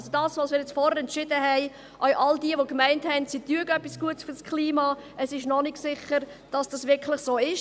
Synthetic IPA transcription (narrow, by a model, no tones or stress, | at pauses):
zod̥ɑːsʋosmɪːɾjɛt͡sfɔhəɾɛntt͡ʃɪdəɦɛɪ | ʔœɥʔɑldiəʋokmæɪnthɛnsityəɡəœpːisɡ̥uətsfyɾskʰliːmɑː | əsɪʃnɔnɪɡsɪχəɾd̥ɑsd̥ɑsʋɪkʰlɪχsoːɪʃ